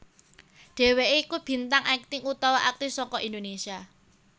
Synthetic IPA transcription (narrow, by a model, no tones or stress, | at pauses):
ɖ̥e̤weʔeikub̥i̤nt̪aŋʔɛk̚t̪ɪŋut̪ɔwaʔak̚t̪isɔŋkɔʔind̪onesia